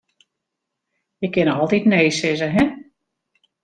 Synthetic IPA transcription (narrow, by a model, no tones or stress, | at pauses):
jəkɪnɔlˠtitneːsɪzəɦɛ